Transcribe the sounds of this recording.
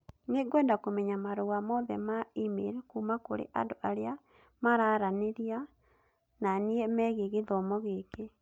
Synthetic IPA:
neɡwɛːndakomɛɲamaɾoɣamɔðɛ̰maimḛɾkumakoɾḛʔa̰ndoʔaɾea | maɾaɾaneɾia | naniɛmɛːɣeɣeðɔmɔɣeke

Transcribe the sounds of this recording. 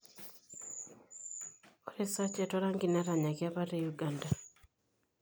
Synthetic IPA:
oɾesacetoɾaŋɡinaɾaɲakjaβaɾejuɡanda

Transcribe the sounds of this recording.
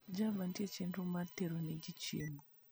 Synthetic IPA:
d͡ʒavantjet͡ʃintumateɾoned͡ʒit͡ʃimo

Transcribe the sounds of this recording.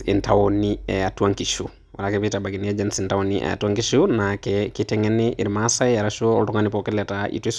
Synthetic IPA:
ḭntawoniɛatuaŋkiʃu | wa̰lakɛpitabaɡiniad͡ʒansintawoniɛ̰a̰tuwaŋkiʃunakɛkitɛŋɛnːiʔiɾmasaaɾaʃoɔ̰ltɔŋanipɔkɛlɛtaʔḭtis

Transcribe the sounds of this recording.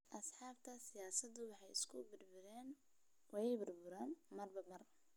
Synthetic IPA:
ʔɐsħɑːbt̪ʰɐsɪjaːsɐd̪ʊwɑħɑjɪ̰skʰʊbɪrbʊɾɛːn | wɑjɛjbʊrbʊɾaːnmɐrbɐmɐr

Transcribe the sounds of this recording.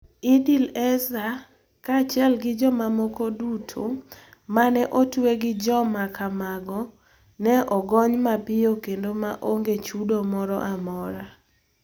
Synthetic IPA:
idilɛza | kat͡ʃɪɛlɡɪd͡ʒɔmamokodutʰo̰manɛʔotweɡɪd͡ʒɔmakʰamaɡɔ | nɛʔɔɡɔɲmapɪjokendomaʔoŋɡet͡ʃudomɔɾɔʔamɔɾa

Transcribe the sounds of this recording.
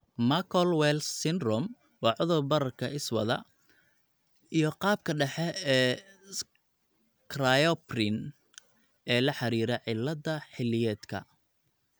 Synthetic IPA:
makʰɔlwɛlssɪnrɔm | wɑːʕʊðʊrbɐɾɐrkʰɐɪswɐ̰ðɐ̰ | ijɞqɑːb̚kʰɐɖɛħɛɛː | krajɔprɪn | ɛːlɐħɑɾiːɾɛʕɪlːɐdɐħɪlɪjɛːd̪kʰɐ̰

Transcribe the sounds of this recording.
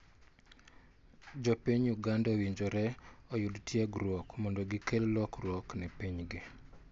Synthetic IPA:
d͡ʒɔpiɲjuɡandawiɲd͡ʒoɾɛɔjudtʰjeɡɾwɔkmondoɡikellɔkrwɔknɛpiɲɡɪ

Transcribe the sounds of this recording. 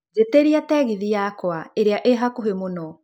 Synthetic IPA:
d͡ʑeteɾiatɛɣiðijakwaeɾeaʔeɦakoɦemonɔ

